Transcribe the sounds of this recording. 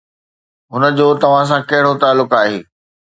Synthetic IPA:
ɦʊnə̆d͡ʑoːt̪ɐʋ̤ãs̬ãkɐɦɪɽot̪aːlːʊkaːɦeː

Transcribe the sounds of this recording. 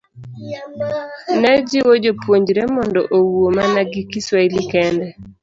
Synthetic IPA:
nɛd͡ʒɪwod͡ʒopwoɲd͡ʒɾemɔndɔ̰ʔowomanaɡɪkiswailikɛndɛ

